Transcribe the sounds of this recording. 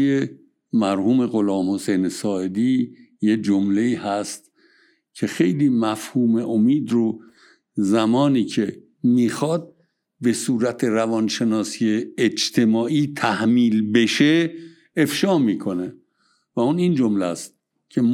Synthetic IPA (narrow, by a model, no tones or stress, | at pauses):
e | mæɾhuːme̞ɣo̞lɒːmho̞sejnesɒːed̪iː | jed͡ʒomle̞iːhæst̪ | cʰe̞xe̞jliːmæfhuːme̞ʔomiːd̪ɾo | zæmɒːniːcʰe̞ | miːxɒːd̪̚ | be̞suːɾæt̪ʰeɾævɒːnʃe̞nɒːsiːeːd͡ʒt̪ʰe̞mɒːʔiːt̪ʰæhmiːlbe̞ʃe | efʃɒːmiːkʰo̞ne̞ | væunind͡ʒomlæst̪̚ | cʰe